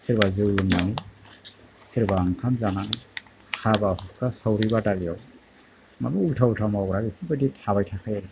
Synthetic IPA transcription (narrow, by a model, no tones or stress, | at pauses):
siɾbazɯwlunːanɯ | siɾbaːŋkʰamzanani | habahɔkʰːasawɾibadalija̰w | ma̰muutʰautʰamaɡɾabikʰubɯdithaβajtʰakʰajɾ